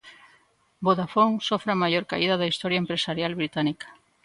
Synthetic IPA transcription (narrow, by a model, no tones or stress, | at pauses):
boðafoŋsofɾamajoɾka̰iðɐðaist̪ɔɾjaempɾesaɾjalβɾit̪anikɐ̥